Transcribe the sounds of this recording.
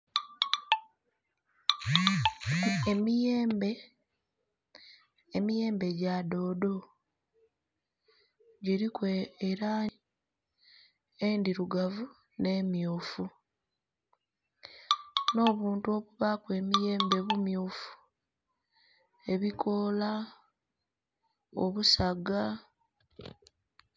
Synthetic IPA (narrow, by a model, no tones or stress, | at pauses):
emijeːmbe | mije̞ːmbe̞ɟado̞ːdo̞ | ɟiɾikweeɾa | endiɾuɡavu | ne̞ːmjuːfu | no̞ːβuːntuo̞βuβakwe̞ːmije̞ːmbe̞βumjuːfu̥ | e̞βikʰo̞la | o̰βusaɡa